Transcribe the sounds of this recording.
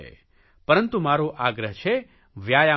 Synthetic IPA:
ḛ | pəɾənt̪umaɾoʔaɡɾəɦt͡ʃʰe | ʋjaja

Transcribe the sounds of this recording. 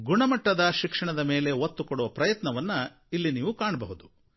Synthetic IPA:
ɡuɳɐmɐʈːɐd̪ɐʃikʂɐɳɐd̪ɐme̞ːle̞ot̪ːukoɽuʋɐpɾɐjɐt̪nɐʋɐnːɐ | ilːiniːʋukaːɳɐbɐɦud̪u

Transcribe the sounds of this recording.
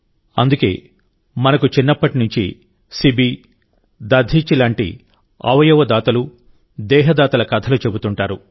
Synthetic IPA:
ɐnd̪uke̞̰ː | mɐnɐkut͡ʃinːɐpːɐʈinuɲt͡ʃḭ | sibi | d̪ɐd̪ʱiːt͡ʃilaːɳʈḭ | ɐ̰ʋɐjɐʋɐd̪aːt̪ɐlu | d̪ɛːɦɐd̪aːt̪ɐlɐkɐt̪ʰɐlut͡ʃe̞but̪uɳʈaːɾu

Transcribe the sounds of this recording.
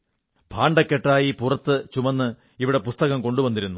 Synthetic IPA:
bʱaːɳɖɐkːeʈːaːjipurɐt̪ːɨt͡ɕumɐnːɨ | iʋiɽe̞pust̪ɐɣɐmko̞ɳɖubɐnd̪iɾunːu

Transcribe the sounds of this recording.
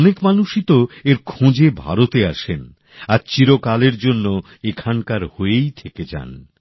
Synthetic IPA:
nekmanuʃit̪oeɾkʰõd͡ʑebʱa̰ɾot̪eaʃen | aɾt͡ɕiɾokaleɾd͡ʑonːo | ekʰaŋkaɾhoejt̪ʰeked͡ʑa̰n

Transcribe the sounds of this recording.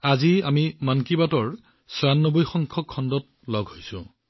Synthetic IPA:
aziamimankibatɔɹ | sɔanːobojxɔŋkʰɔkʰːɔndɔt̚ | lɔɡʱɦojsʊ̰̃

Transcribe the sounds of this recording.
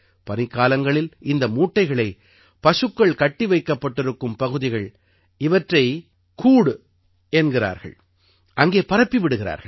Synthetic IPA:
pɐnɪkːaːlɐŋɡɐɭɪlɪnd̪ɐmuːʈːɐɪɣɐɭɐɪ | pɐʂɯkːɐɭkɐʈːɪʋɐɪkːɐpːɐʈːɪɾɯkːɯmpɐɣɯðɪɣɐɭ | ɪʋɐʈrɐɪ | kuːɽ | ɛnɡɪra̰ːɾɣɐ̰ɭ | ʔɐŋɡeːpɐɾɐpːiʋɪɽɯɣɪɾa̰ːɾɣɐ

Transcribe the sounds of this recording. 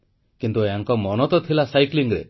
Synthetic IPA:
kint̪ueaŋkɔmɔnɔt̪ɔt̪ʰilasajkliŋɾḛ

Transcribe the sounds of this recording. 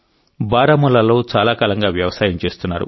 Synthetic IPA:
baːɾamɔlːɐlo̞ːt͡ʃaːlaːkaːlɐŋɡaːʋjɐʋɐsaːjɐmt͡ʃe̞ːst̪unːaːɾṵ

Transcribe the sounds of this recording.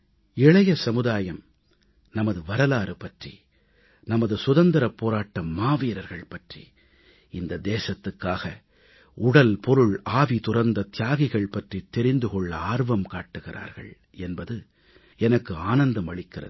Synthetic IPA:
ɪɭɐjɐsɐmɯðaːjɐm | nɐmɐðɯʋɐɾɐlaːɾɯpɐʈrḭ | nɐmɐðɯsʊðɐnd̪ɐɾɐpːoːɾaːʈːɐmːaːʋiːɾɐɾɣɐɭpɐʈrḭ | ɪnd̪ɐd̪eːsɐt̪ːɯkːaːɣɐ | ʊɽɐlpɔɾɯɭaːʋit̪ʊrɐɾnd̪ɐt̪ɪjaːɣɪɣɐɭpɐʈrit̪ːɛɾɪnd̪ɯɣɔɭːɐaːɾʋɐmkaːʈːɯɣɪra̰ːɾɣɐ̰ɭ | ɛnbɐðɯ | ɛnɐkːɯaːnɐnd̪ɐmɐɭɪkːɪrɐ̰ð

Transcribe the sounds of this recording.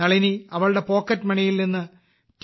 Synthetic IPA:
ɐɭiniɐʋɐɭɨɽe̞po̞ːkːɐtːmɐɳijilninːɨ | t

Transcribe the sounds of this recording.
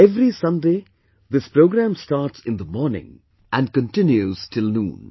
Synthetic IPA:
ɛvɾisʌ̃ndeː | ðɪspɾoːɡɾæ̃mstaːɾʈsɪ̃nd̪əmɔɾnɪ̰̃ŋ | ʔæ̃n̚kə̃ntɪ̃njuz̥tʰɪlnũːn

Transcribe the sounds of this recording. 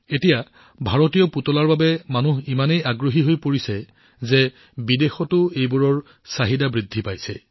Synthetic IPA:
etija | bʱaɹotijɔputɔlaɹbabɛmanuɦimanejaɡɹoɦiɦojpoɹisɛ | zɛ | bidexɔtʊejbuɹɔɹ | saɦidabɹidʱːipajsɛ̰

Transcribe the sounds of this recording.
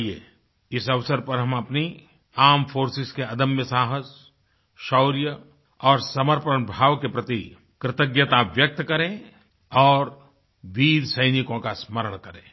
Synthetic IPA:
iḛ | ɪsɐʋsəɾpɐɾɦɐmɐpni | aːmfoːɾsɪskeɐd̪əmjəsaːɦəs | ʃɔʊɾjə | ɔːɾsɐməɾpəɾəɳ̃bʱaːʋkepɾɐt̪i | kɾɪt̪əɡjət̪aʋjɐk̚t̪kɐɾẽ | ɔːɾ | ʋiːɾsɐɪnɪkõkasməɾəɽ̃kɐɾẽː

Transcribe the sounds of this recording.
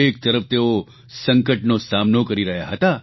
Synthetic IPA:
ek̚t̪əɾəft̪eo | sə̃ŋkəʈnosamnokəɾiɾəɦjaɦət̪a

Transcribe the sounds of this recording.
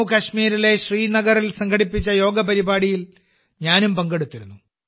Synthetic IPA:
kɐɕmiːɾile̞ɕriːnɐɡɐrilsɐŋɡʰɐɽipːit͡ɕːɐjo̞ːɡɐpɐɾibaːɽijil | ɲaːnumpɐŋɡeɽut̪ːiɾunːu

